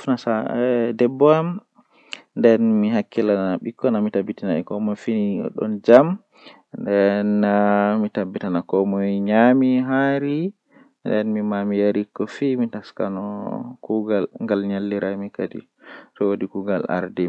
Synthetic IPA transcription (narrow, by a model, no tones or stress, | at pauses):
fnasadɛbːɔam | ndɛnmiɦakːilanaɓikʰːɔnamitabːitinaɛkɔmɔfinḭɗɔ̰nd͡ʒam | ndɛnːamitabːitanakɔmɔjɲamiɦaɾi | ndɛnmimamijaɾikːɔfimitaska̰nɔkuɡalŋɡalɲalːiɾamikadḭ | tɔwodikuɡala̰ɾdɛ